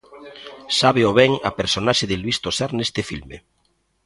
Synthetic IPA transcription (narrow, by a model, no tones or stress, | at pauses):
saβeoβɛŋa̰peɾsonaʃeðelβist̪osaɾnest̪efilmḛ